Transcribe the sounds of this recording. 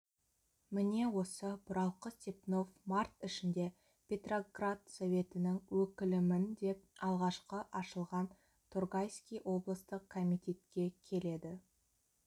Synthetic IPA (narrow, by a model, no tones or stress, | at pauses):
mɪne̞wo̞səbʊɾɑlˠqət̪ʲepno̞fmart̪ɪʃɪnd̪e̞ | pʲe̞t̪ro̞ɡrat̪sovʲe̞t̪ɪnɪŋwɵkʲɪlɪmɪnd̪e̞p̚ɑlˠʁɑʃqəʔɑʃəlˠʁɑn | t̪ʰurɡajskʲijʔo̞blˠəst̪əqkʰːomijt̪ʲe̞t̪kʲe̞kʲʰe̞le̞d̪ɪ